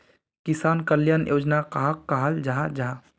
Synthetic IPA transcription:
kɪsaːnkəljanjʔoːd͡ʒnakaɦakːaɦald͡ʒaɦad͡ʒaɦa

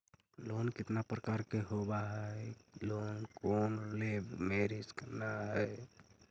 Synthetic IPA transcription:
lonkɪt̪napɾəkaɾkeɦobaɦɛlonkonolebmeɾisknaɦɛ

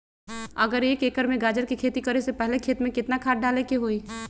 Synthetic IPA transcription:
ɐɡəɾjeːkeːkəɾmẽɡaːd͡ʒəɾkikʰeːt̪ikəɾesepɛɦlekʰeːt̪mẽkɪt̪nakʰaːʈ̚ɖaːlekeɦoːiː

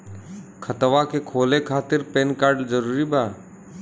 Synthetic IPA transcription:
kʰət̪ʋakekʰoːlekʰaːt̪ɪɾpeːnkaːɾɖd͡ʒəɾuːɾibaː

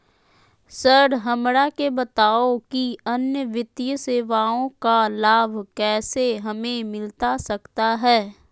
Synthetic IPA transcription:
səɾɾɦɐmɾakebɐt̪aːokiɐnjəʋɪt̪ijəseːʋaːõkalaːbʱkɛːseɦɐmẽmɪlt̪asɐkt̪aɦɛː

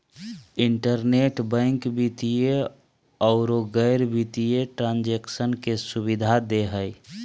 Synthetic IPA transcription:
ɪɳʈəɾneʈbə̃ŋkbit̪ije | ɔʊɾoɡəɪɾbit̪ijeʈɾãːnd͡ʒeksənkesʊbid̪ʱad̪eɦəj

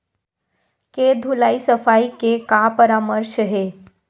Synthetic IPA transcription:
ked̪ʱulaːisəfaːikekapəɾaːməɾʃəɦeː

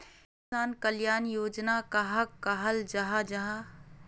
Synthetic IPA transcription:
ɪsaːnkəljaːnjoːd͡ʒnakaɦɐkːaɦɐld͡ʒɐɦad͡ʒɐɦa

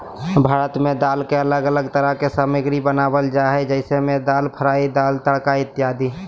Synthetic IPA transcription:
bʱaːɾət̪mẽd̪aːlkeələɡələɡt̪əɾəɦkesaːməɡɾibənaːbəld͡ʒaːɦɛd͡ʒəɪsemẽd̪aːlpʰəɾaːid̪aːlt̪əɽkaɪt̪ːjaːd̪i

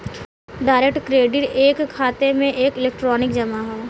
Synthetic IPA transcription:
ɖaːɾekʈkɾeːɖɪʈeːkʰːaːt̪emẽʔeːkɪleːkʈɾɔːnɪkd͡ʒɐmaɦoː

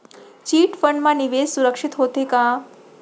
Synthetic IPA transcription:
t͡ʃiːʈfəɳɖmãniʋesuɾəkʂɪt̪ɦot̪ekã

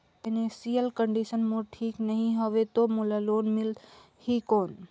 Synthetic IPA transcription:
t̪ɪnesijəlkəɳɖisənmoɾʈʰiːknəɦĩɦoʋet̪omulaloːnmɪl | hikoːn

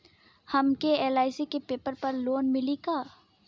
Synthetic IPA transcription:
hɐmkeeːlaːɪsikepeːpəɾpɐɾloːnmɪlikaː

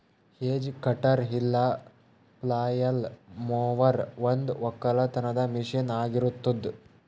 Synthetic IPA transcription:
heːd͡ʒkɐʈɐɾɦilːɐ | plaːjɐlmoːʋɐɾʋɐnd̪ʋɔkːɐlɐt̪ɐnɐd̪ɐmiʂɐnaːɡiɾut̪ːud̪

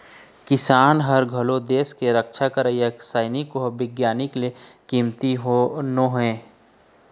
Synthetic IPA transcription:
kɪsaːnɦəɾɡʱəlod̪eːskeɾəkʃakəɾəjəksaːɪnikoɦbɪɡjaːnɪklekimt̪iɦonoɦɛ̃ː

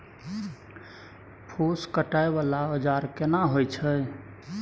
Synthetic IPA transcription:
pʰoskəʈaeβalaəd͡ʒaɾkenaɦojt͡ʃʰə

